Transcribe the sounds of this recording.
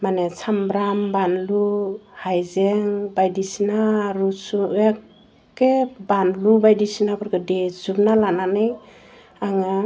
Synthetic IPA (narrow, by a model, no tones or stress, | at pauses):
manesʰambɾambanluhajzeŋbajdisinaɾusujakː | ebanlubajdisinabaɾɡɯdezup̚nalananɯj | aŋa